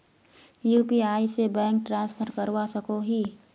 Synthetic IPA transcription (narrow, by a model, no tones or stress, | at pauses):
juːpiaːisebɛ̃ːŋk̚ʈɾãːnspʰəɾʈkəɾwasəkoɦiː